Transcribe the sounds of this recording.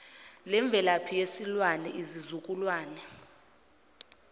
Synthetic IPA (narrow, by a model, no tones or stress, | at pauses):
lɛɱb̪vʱɛlapʰijesilwanɛizizukʼulwaːnɛ